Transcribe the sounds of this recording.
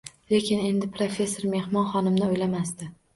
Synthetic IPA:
le̞kʲɪne̞nd̪ɪpʰɾofʲe̞sːoɾme̞hmɒnχɒnɪmnɪojlamast̪ɪ

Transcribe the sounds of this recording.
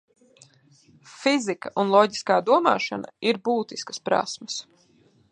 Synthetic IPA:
fizikɐʔunlˠɔɟiskaːd̪uɔmaːʃa̰nɐ̰iɾbuːt̪iskə̥spɾa̰smɐs

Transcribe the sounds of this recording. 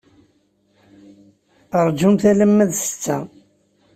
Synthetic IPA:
əɾˤd͡ʒumθæləmːæðsə̥t͡sːæ̰

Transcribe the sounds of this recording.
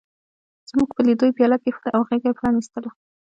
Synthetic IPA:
z̥muɡpəlid̪ojbjɑlakexd̪ʔawɣeɡajpɾɑnist̪əlo

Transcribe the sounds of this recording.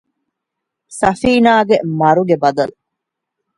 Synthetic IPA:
sɐfiːnaːɡemɐɾuɡebɐd̪ɐlu

